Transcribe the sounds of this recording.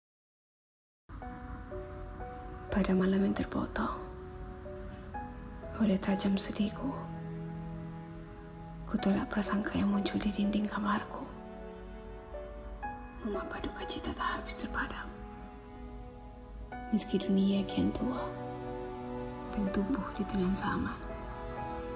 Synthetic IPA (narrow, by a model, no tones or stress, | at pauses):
padamalamjant̪ərpɔ̰t̪ɔ | olɛht̪ad͡ʒamsədikʰu | kut̪ulaʔpərsaŋkʰajaŋmuɲt͡ʃuldiɾindɪŋkamarku | məŋapadukat͡ʃit̪at̪ahabɪst̪ərpadam | məskiduniakiant̪ua | dant̪ubʊhdit̪əŋansama